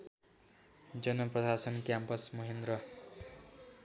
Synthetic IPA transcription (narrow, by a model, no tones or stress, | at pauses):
d͡zʌnʌprʌsasʌnkjampʌsmʌɦend̪ɾʌ